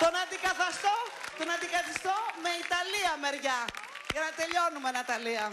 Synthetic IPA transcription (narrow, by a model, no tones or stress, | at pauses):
t̪o̞nɐnd̪ikɐθɐst̪o̞t̪o̞nɐnd̪ikɐθist̪o̞me̞it̪ɐliɐme̞ɾʝɐ | ʝɐnɐt̪e̞ʎo̞numenɐt̪ɐliɐ